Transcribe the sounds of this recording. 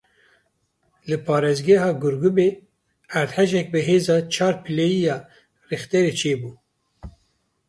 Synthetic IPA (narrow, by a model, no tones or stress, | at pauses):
lɨpʰɑːɾeːzɡɛɦɑːɡuɾɡubeː | æɾd̪hɛʒɛk̚bɨɦeːzɑːt͡ʃʰɑːɾpʰɨlejijɑː | rixt̪ɛɾeːt͡ʃʰeːbuː